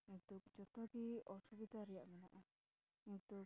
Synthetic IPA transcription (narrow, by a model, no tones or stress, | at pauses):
kint̪ukd͡ʒɔt̪ɔʈiɔsubid̪ʱaɾijaʔmɛna̰ʔa | kint̪u